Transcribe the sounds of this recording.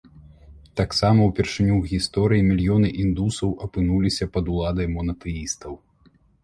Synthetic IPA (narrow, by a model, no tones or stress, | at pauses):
t̪aksamɐwpʲɛrʂɨnʲuɣʲist̪ɔɾɨjimʲilʲjɔnɨʔind̪usɐwʔɐpɨnulʲisʲɐpɐd̪ulˠad̪ɐjmɔnɐt̪ɛist̪ɐw